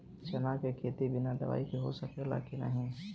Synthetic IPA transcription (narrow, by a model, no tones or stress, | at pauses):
t͡ʃɐnakekʰeːt̪ibɪnad̪ɐ̰ʋa̰ːikiɦo̰səkela̰ːkina̰ɦɛ̃ː